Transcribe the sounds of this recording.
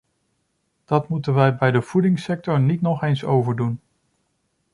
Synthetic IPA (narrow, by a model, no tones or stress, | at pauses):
d̥ɑtmutənʋɛjbɛjdəv̥udɪŋsɛk̚tɔɹnitnɔχejnso̰wvəɹdun